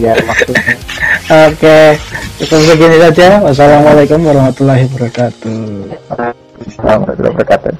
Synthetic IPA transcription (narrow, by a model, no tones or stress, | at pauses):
jamaksu | oke | pabis̬aɡinisad͡ʒawas̬alamalakumwaɾahmat̪ulaɦibəɾakat̪u | samala̰t̪ula̰bəɾakat̪ṵ